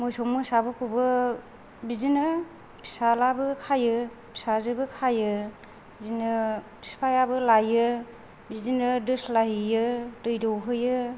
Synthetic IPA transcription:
mɔjsɔŋmɯsabɯkʰubɯ | bizinɯ | pʰi̥salabɯkʰajɯ | pʰi̥sazɯbɯkʰajɯ | bizinɯpʰi̥spʰajabɯlajɯ | bizinɯdɯslaɦijɯdɯjdɯwɦɯjɯ

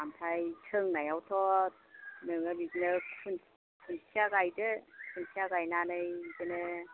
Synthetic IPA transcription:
amtʰajtʰɯŋnajawtʰɔt̚nɯŋɯbiknɯkʰun | kʰunsʰiaɡajdɯkʰunsʰiaɡajnanɯjɡɯnɯ

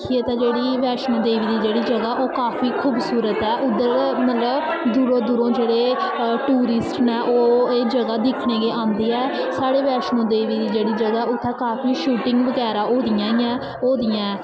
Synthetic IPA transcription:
kʰieːt̪ãːd͡ʒeːɽiːʋɛːʃnõːd̪eːʋiːd̪iːd͡ʒeːɽiːd͡ʒəɡaːʔoːkaːpʰiːkʰuːbsuːɾət̪ɛːʔʊd̪ːəɾmət̪ləb | d̪uːɾõːd̪uːɾõːd͡ʒeːɽeː | ʈuːɾɪsʈnɛ̃ːʔoːeːd͡ʒəɡaːd̪ɪkʰɽeːɡeːãːnd̪iːɛː | saːɽeːʋɛːʃnõːd̪eːʋiːd̪iːd͡ʒeːɽiːd͡ʒəɡaːʊt̪ʰːɛːkaːpʰiːʃuːʈɪ̃ŋɡʋəɡɛːɾaːoːd̪ɪjãːĩːãː | oːd̪ɪjãɛː

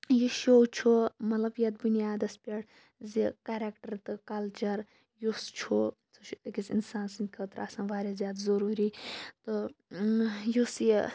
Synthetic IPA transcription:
juʃoːt͡ʃʰumɐt̪lɐbjɐt̪̚bunijaːd̪ɐspʲɐɽ | zikɐɾekʈɐɾt̪ɨkɐlt͡ʃɐɾ | just͡ʃʰu | sʰuɐkisinsaːnsinʲkʰɐt̪ɾa̰ːsãːʋaːɾɐzjaːd̪zɐɾuːɾiːt̪ɨ | jus

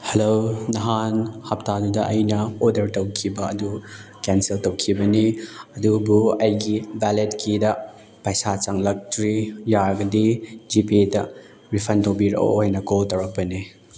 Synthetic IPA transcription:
helonɐɦanhap̚tadudɐʔɐjnɐodɐɾtɐwkʰibɐɐdukɛnseltɐwkʰibɐniɐdubuɐjɡibaletkʰidɐ | pɐjsat͡ʃaŋlɐk̚tɾijaɡɐdid͡ʒipidɐ | ɾipʰɐntowbiɾ̰o̰hɐjnɐkoltɐwɾɐk̚pɐni

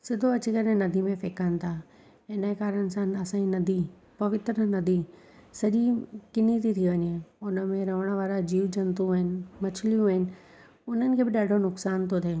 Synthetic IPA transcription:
sɪd̪ʱoɐt͡ɕikɐɾẽnɐd̪ʱimẽfeːkanɪ̆t̪ʰaː | ɪnaekaːɾənɪ̆sãɐsãːinɐd̪ʱi | pɐʋɪt̪ɾənɐd̪ʱi | sɐʄikɪnit̪ʰit̪ʰiʋɐɲeʊnə̆mẽɾɐʋ̤əɽ̃ʋaːɾad͡ʑiːʋd͡ʑɐnt̪ũɦɪnɪ̆mɐt͡ɕʰlijũɦɪnɪ̆ | ʊn̤ənɪ̆kʰeːbɪɗaːɖʱonʊksaːnt̪ʰot̪ʰeː

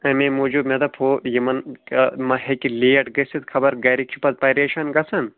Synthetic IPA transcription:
ɐmemoːd͡ʒumʲɐd̪ɐpʰoːjɐmɐnmɐhekileːɐʈɡɐsit̪kʰɐbɐɾɡɐɾik̚t͡ʃʰu̥pɐt̪̚pɐɾeːʃɐnɡɐsɐn

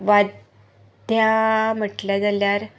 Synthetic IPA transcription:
ʋad̪ʱ | jam̤əʈljad͡zaljaɾ

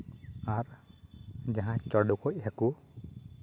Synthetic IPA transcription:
aɾ | d͡ʒaɦãt͡ʃɔɖukɔc̚hɛku

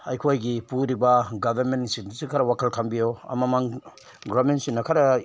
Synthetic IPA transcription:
ɐjkʰojɡipuɾibɐɡɐbʱɐɾmentːisindusikʰɐɾɐwakʰɐlkʰambijoɐ̰mɐmaŋ | ɡɾamentsinːɐkʰaɾɐ

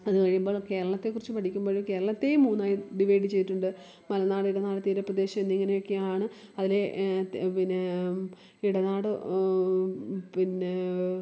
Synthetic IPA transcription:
ɐðɨkɐɻijumbo̞ːɭke̞ːɾɐɭɐt̪ːe̞kurit͡ɕːɨpɐʈʰikʲːumboːɻumke̞ːɾɐɭɐt̪ːe̞muːnːaːjiɖiʋɐjɖɨt͡ɕe̞jðiʈːuɳɖɨ | mɐlɐnaːɽiɽɐnaːɽɨt̪iːɾɐprɐd̪e̞ːɕɐmenːiŋːɐnejokːejaːɳɨ | ɐðile̞pinːe | iɽɐnaːɽɨ | pinːe

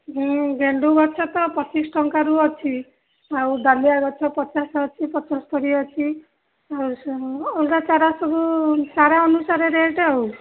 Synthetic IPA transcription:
ɦɔ̃ɡeɳɖuɡɔt͡ʃʰɔt̪ɔpɔt͡ʃisʈʰɔŋkaɾuɔt͡ʃʰi | awɖaliaɡɔt͡ʃʰɔpɔt͡ʃasɔt͡ʃʰipɔt͡ʃɔst̪ɔɾiɔt͡ʃʰi | awɔlkat͡ʃaɾasɔbusaɾaɔnusaɾeɾeeʈeɔw

